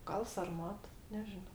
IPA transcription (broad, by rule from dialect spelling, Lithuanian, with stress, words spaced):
ˈɡɐlˠ sɐrˈmɐt nʲɛˈʒʲɪnoː